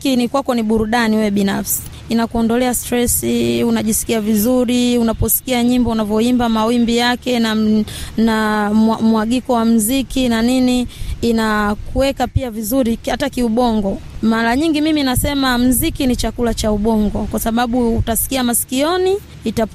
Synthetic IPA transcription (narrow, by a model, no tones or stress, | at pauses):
kinikwakɔniɓuɾuɗaniwɛɓinafsi̥ | inakuɔndɔlɛastɾɛsiunaʄisi̥kiavizuɾiunapɔsi̥kiaɲimbɔunavjɔimbamawimbijakɛnanamwaɠikɔwam̩zikinaniniːnakuwɛkapiavizuɾihatakiuɓɔŋɡɔmaɾaɲiŋɡimiminasɛmam̩zikinit͡ʃakulat͡ʃauɓɔŋɡɔkwasaɓaɓuːtasi̥kiamasi̥kiɔniː | tap